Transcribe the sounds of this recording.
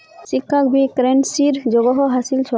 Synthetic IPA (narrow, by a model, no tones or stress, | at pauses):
sikʰːak̚bikɾensiɾd͡ʒɔɡɔɦɔɦasilt͡ʃʰɔ